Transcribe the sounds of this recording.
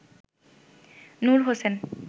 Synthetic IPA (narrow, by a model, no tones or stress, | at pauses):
nuɾɦosen